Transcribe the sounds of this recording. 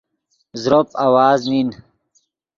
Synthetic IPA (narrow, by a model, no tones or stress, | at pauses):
zɾopawaːznin